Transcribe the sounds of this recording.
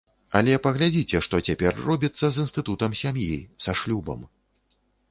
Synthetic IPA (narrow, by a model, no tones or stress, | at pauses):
ɐlʲɛpɐɣlʲad͡zʲit͡sʲɛʂt̪ɔt͡sʲapʲɛrːɔbʲit̪sːɐzinst̪ɨt̪ut̪ɐmsʲamjisaʂlʲubɐ̰m